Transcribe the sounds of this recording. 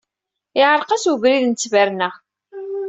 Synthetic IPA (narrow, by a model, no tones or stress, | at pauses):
ɪʕəɾˤqɑsəvɾiðnt͡sːvæɾnə